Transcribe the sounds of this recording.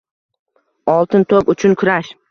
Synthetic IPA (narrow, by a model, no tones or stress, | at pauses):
ɒlˠt̪ʰɪnt̪ʰopʊt͡ʃʰʊnkʰʊɾaʃ